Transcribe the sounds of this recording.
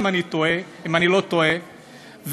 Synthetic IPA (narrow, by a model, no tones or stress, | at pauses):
manit̪oe | imanilot̪oe | v